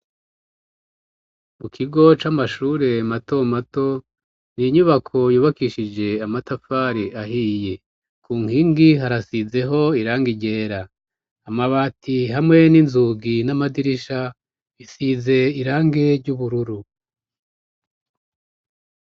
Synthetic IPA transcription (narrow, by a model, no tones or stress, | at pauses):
mukʰiɡo̞t͡ʃamaʃuːɾe̞mato̞mato̞ | niɲuβakʰo̞juːβakiʃid͡ʒe̞amatafaɾiʔaɦije | kʰuːŋhiːŋɡiɦaɾasize̞ɦo̞iɾaːŋɡiɟe̞ːɾaː | maβaːtʰiɦamŋe̞ninzuɡinamadiɾiʃa | isize̞iɾaːŋɡe̞ɾɟuβuɾuɾu